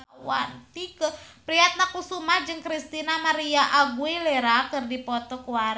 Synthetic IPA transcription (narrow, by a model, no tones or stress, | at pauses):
wa̰nt̪ikəpɾiɦat̪̚nakusumahd͡ʒɨŋkɾist̪inamaɾiaʔaɡuilɛɾakɨrdipɔt̪ɔkuaɾ